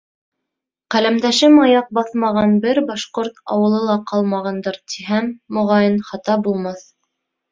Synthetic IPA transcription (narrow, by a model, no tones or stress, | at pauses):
qælæmd̪æʃɘmɑjɑq̚bɑθmɑʁɑnbɘɾbɑʃqoɾt̪ɑ̰wɤ̆lˠɤlˠɑqɑlˠmɑʁɑnd̪ɤɾt̪iɦæmːŏʁɑjɤnχɑt̪ɑbulˠmɑθ